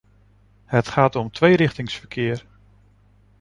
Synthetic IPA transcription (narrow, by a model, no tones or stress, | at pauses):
hətχaːtɔmtʰʋejɾɪχtɪŋsfəɹkʰɪːr